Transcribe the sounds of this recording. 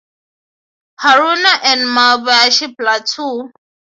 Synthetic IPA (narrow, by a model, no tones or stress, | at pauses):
haɾunaʔɛ̃nmalbaaʃiplatʰu